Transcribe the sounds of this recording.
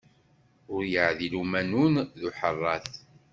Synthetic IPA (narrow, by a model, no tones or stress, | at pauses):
ʊɾjəʕðilumænunðuħərˤːɑθ